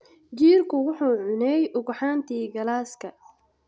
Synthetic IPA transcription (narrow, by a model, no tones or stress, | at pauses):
d͡ʒiːrkʰʊwʊħuːʕʊnɛjʔʊɣʊħaːnt̪ʰiːɡɐlaːskʰɐ